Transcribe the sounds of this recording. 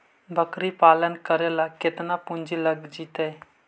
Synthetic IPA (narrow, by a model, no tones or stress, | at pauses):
bəkɾipalənkəɾelaket̪napund͡ʒiləɡd͡ʒit̪əj